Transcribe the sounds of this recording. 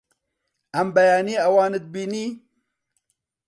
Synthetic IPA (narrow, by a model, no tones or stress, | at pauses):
ɐmbɐjaːniːɐwaːnɨd̪̚biːniː